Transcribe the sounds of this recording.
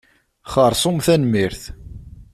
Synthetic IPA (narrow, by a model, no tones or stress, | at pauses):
χəɾˤsˤʊmθænmiɾθ